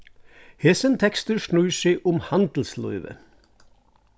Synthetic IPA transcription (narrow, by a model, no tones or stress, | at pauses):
heːsənt̪ʰɛkst̪əʃɳʉːseʔʊmhɑnd̪l̩slɔ̰ʏʋə̰